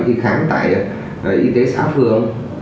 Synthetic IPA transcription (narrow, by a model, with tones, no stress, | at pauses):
ki˧xaː˨˦ŋt̪a̰ː˧˨j | ʔʔi˧t̪e˨˦saː˨˦˥wfɨ˧˨əŋ